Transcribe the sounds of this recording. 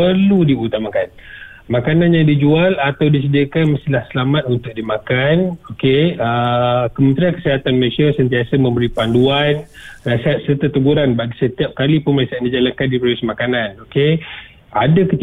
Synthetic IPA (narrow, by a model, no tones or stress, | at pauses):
əludiut̪amakan | makananjaŋdid͡ʒualat̪awdisədiəkanməst̪ilahsəlamat̪̚unt̪ʊk̚dimakanokeəkəmə̃nt̪ɾiankəsəɦat̪anməɾesiasənt̪iasamə̃mbəɾipanduanrasiɦat̪̚sərt̪at̪əɡuɾanbaɡisət̪iap̚kalipʊnməlesandid͡ʒalaŋkandipɾodɛsmakananoke | adakət̪i